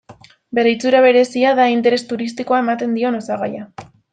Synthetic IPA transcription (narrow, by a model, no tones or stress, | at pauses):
be̞ɾejt͡suɾaβ̞e̞ɾe̞siaðaint̪e̞ɾe̞st̪uɾist̪iko̞ae̞mat̪e̞nd̪io̞no̞saɣaja